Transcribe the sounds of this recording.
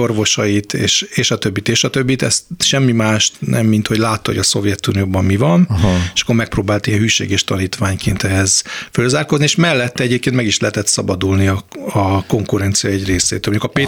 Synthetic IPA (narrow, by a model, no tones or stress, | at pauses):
orʋo̞ʃɒjit̪ḛːʃeːʃɒt̪ø̞bːit̪eːʃɒt̪ø̞bːit̪ɛst̪ʃɛmːimaːʃnɛmːint̪ho̞ɟlaːt̪ːhoɟɒso̞vjɛt̪unijoːbɒmmivɒne̥ʃkːo̞rmɛk̚proːbaːlt̪ijɛnhyːʃḛːɡɛʃt̪ɒniːt̪ʋaːɲkeːnt̪ɛɦɛz̥følzaːrko̞znieːʃmɛlːɛt̪ːɛɛɟeːpkeːnmɛɡiʃlɛɦɛt̪ɛt̪sɒbɒd̪ulniɒɒko̞ŋkuɾɛnt̪sijɒɛɟreːsḛːt̪ølmoɲjukɒpeː